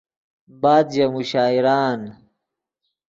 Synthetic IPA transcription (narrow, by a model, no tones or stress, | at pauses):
baːd̪d͡ʑɐmuɕaːiɾaːn